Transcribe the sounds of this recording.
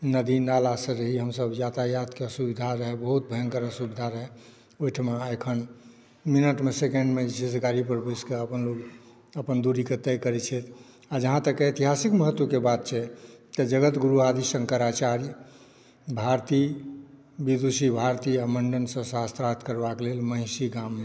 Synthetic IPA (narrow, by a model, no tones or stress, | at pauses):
nəd̪inalasə̃ɾəɦiɦəmsəbjat̪ajat̪keəsubid̪ʱaɾəɦɛbəɦut̪̚bʱəəŋkəɾəsubid̪ʱaɾəɦɛ | ojʈʰəmeekʰən | minəʈmesekeɳɖmed͡ʒesɡaɾipəɾbuskeəpənloɡ | əpənd̪uɾiket̪ɛjkəɾɛt͡ʃʰɛt̪ʰ | ad͡ʒəɦãt̪əkːeet̪iɦasikməɦət̪ːwokebat̪̚t͡ʃʰɛt̪əd͡ʒəɡət̪ɡuɾuad̪isə̃ŋkəɾat͡ʃaɾij | bʱaɾt̪i | bid̪usibʱaɾt̪iaməɳɖənsə̃sast̪ɾat̪ʰkəɾbakelelmə̃ɦsiɡamːe